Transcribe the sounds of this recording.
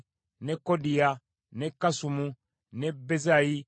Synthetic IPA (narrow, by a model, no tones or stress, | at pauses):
nekodija | nekasumu | nebezaji